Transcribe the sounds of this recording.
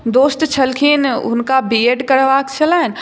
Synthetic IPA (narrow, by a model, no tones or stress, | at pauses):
d̪oːst̪t͡ʃʰɐlkʰiːnʊ̰nkabieɖkɐɾʋaːkt͡ʃɐlaːɪn̆